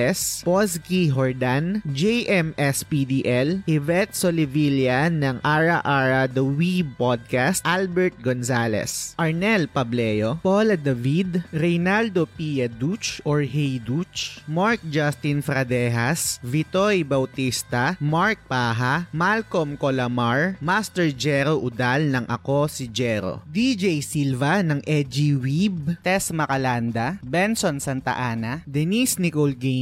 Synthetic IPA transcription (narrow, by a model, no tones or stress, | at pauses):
ɛsposkiɦɔɹd̪and͡ʒɛjʔɛmʔɛspid̪iʔɛlʔɪvɛt̪̚solɪviljanɐŋʔaɹɐʔaɹɐd̪ɐwipod̪̚kast̪ʔalbɛɹt̪̚ɡonsaːlɛ̰sʔɐɹnɛlpɐblɛːjopolɐd̪ɐvid̪ɾɛjnald̪opijɐd̪ut͡ʃʔoɹɦɛjd̪ut͡ʃmaɹk̚d͡ʒast̪infɾɐd̪ɛɦasvit̪ojbɐwt̪ist̪ɐmaɹk̚paːɦamalkomkolɐmaɹmast̪ɛɹd͡ʒɛɾoʔʊd̪alnɐŋʔɐ̰ko̞sid͡ʒɛɾo̰d̪id͡ʒejsilvɐnɐŋʔɛd͡ʒiwibt̪ɛsmɐkɐland̪ɐbɛnsonsɐnt̪ɐ̰ʔaːnɐd̪ɛnisnikolɡe